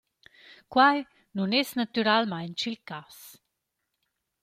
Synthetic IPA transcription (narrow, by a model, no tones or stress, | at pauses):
kwaj | nunɛsnat̪yɾalmajnt͡ʃilkas